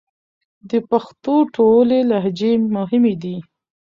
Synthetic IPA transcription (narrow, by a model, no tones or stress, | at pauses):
d̪əpaxt̪oʈolelaɦd͡ʒemʊɦɪmed̪i